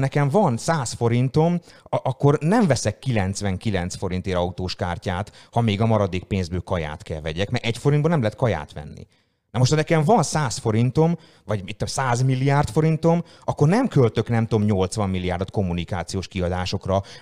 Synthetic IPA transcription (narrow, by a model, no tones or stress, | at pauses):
nɛkɛɱvɒnsaːsfo̞ɾint̪o̞mɒkːo̞rnɛɱvɛsɛkːilɛnt̪sʋɛŋkilɛnt̪sfo̞ɾint̪eːɾɒut̪oːʃkaːrcaːt̪hɒmeːɡɒmɒɾɒd̪eːk̚peːnzbøːkɒja̰ːt̪kɛlvɛɟɛkmɛɾʔɛcfo̞ɾind̪boːnɛmlɛɦɛt̪̚kɒja̰ːt̪ʋɛ̰nːḭ | nɛmoʃt̪hɒnɛkɛɱvɒnsaːsfo̞ɾint̪o̞m | vɒɟmit̪ːsaːzmilːijaːrt̪fo̞ɾint̪o̞m | ɒkːo̞rnɛmkølt̪ø̞knɛmt̪oomɲo̞lt̪sʋɒmːilːijaːrd̪ot̪ko̞mːunikaːt̪sijoːʃkiɒd̪aːʃo̞krɒ